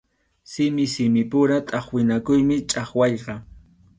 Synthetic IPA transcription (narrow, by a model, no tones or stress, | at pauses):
sɪmɪsɪmɪpʊɾat̪ʼɑχwɪnakʊjmɪt͡ʃʼɑχwɑʎqɑ